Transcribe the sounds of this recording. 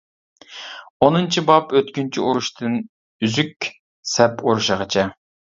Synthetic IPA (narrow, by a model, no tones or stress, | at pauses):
onɨnt͡ʃʰibɑpøt̪̚kʲynt͡ʃʰiʔuɾuʃt̪ʰɨn | yzykʲ | sɛpoɾuʃəʁət͡ʃʰɛ